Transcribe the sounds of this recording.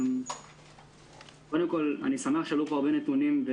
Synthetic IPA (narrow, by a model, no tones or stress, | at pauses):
kod̪emko̞la̰nisameaχʃaluχaʁbenet̪unimve